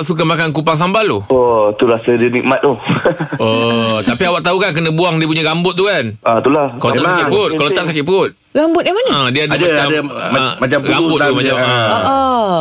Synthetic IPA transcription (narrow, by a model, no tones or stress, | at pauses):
ʔsuk̬amakankupaŋs̬ambaluot̪uɾasədiənik̚mat̪̚uhʔot̪apiawaʔt̪aukank̬ənə̃buaŋdiəp̬uɲəɡambʊt̪̚t̪ːukanʔat̪ulahkaloakɪt̪pʊt̪kalot̪aʔs̬akɪt̪̚pəʊt̪̚ | ɣambʊt̪̚jamanəə̃diəadaaadamat͡ʃamuɡabʊt̪ːumat͡ʃamaoo